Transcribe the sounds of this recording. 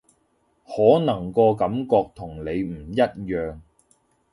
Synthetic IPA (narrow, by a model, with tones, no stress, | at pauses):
hɔː˨˥nɐ˨˩ŋkɔː˧kɐ˨˧˥mkɔː˧k̚t̪ʰʊ˨˩ŋle˨˧jm̩ː˨˩jɐ˥t̚jœː˨ŋ